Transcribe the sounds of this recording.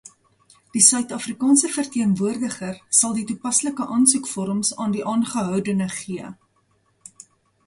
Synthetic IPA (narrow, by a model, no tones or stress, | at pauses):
d̥isœɥtɑfrikɑːnsəfərtiənvuərdəχərsɐlˠditupɐsləkəʔɑːnsukfɔɾəmsɑːndiʔɑːnχəɦœwdənəχiə